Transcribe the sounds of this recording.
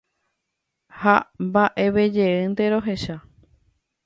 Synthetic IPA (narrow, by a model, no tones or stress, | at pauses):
hambaʔe̞βed͡ʒeɨ̃nd̪eɾo̞ɦe̞ʃa